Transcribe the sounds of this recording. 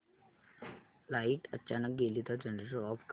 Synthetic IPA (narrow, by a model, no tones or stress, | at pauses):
laiʈət͡ɕanək̚ɡelit̪ad͡ʑənɾeɕəɔpk